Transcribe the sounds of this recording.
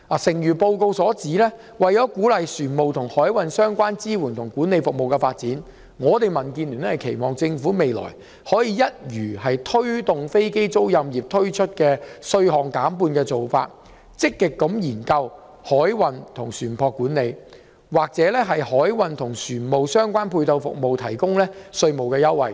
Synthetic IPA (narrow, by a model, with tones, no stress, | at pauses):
a˨sɪ˨˩ŋjyː˨˩po˧wko˧wsɔː˨˥t͡siː˨˥lɛː˥ | wɐ˨jjɔː˨˥kuː˨˥lɐ˨jsyː˨˩nmo˨wt̪ʰʊ˨˩ŋhɔː˨˥jwɐ˨nsœː˥ŋkʷaː˥nt͡siː˥wuː˨˩nt̪ʰʊ˨˩ŋkuː˨˥nːe˨˧jfʊ˨k̚mo˨wkɛ˧faː˧t̚t͡siː˨˥n | ŋɔː˨˧t̪e˨jmɐ˨˩nkiː˧nlyː˨˩nɛ˥hɐ˨jkʰe˨˩jmɔː˨ŋt͡sɪ˧ŋfuː˨˥me˨jlɔ̰ː˨˩j | hɔː˨˥jiː˨˧jɐ˥t̚jyː˨˩hɐ˨jt̪ʰɵ˥ɥt̪ʊ˨ŋfe˥jke˥jt͡so˥wjɐ˧mjiː˨p̚t̪ʰɵ˥ɥt͡ʃʰɵ˥t̚kɛː˧sɵ˧ɥhɔː˨˩ŋkaː˨˥mpuː˧nkɛː˧t͡so˨wfa̰ː˧t̚ | t͡sɪ˥kːɪ˨kːɐ˨˥mjiː˨˩nkɐ˧w | hɔː˨˥jwɐ˨˧nt̪ʰʊ˨˩ŋsyː˨˩npʰɔː˧kːuː˨˥nle˨˧j | waː˨k̚t͡sɛː˨˥lɛː˥ɦɐ˨jhɔː˨˥jwɐ˨nt̪ʰʊ˨˩ŋsyː˨˩nmo˨wsœː˥ŋkʷaː˥npʰuː˧jt̪ɐ˧wfʊ̰˨k̚mo˨wt̪ʰɐ˨˩jkʊ˥ŋlɛː˥sɵ˧ɥmo˨wkɛː˧jɐ˥wːɐ̰˨˩j